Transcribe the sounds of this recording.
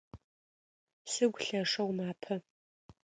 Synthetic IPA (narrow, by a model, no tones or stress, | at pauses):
sɨɡʷɬɐʂɐwmaːpʰɐ